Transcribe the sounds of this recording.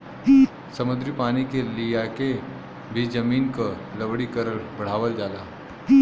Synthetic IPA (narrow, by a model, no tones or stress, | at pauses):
sɐmʊd̪ɾipaːnikelijake | bʱid͡ʒɐmiːnkolɐbɽikəɾəɾbɐɽ̤aːʋəld͡ʒaːlaː